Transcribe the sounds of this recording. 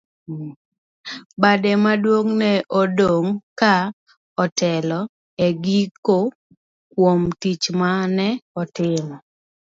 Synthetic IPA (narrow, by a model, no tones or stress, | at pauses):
badɛmadwoŋnɛʔɔdooŋka | ɔtɛlɔ | eɡiko | kwomtit͡ʃmanɛɔtɪmɔ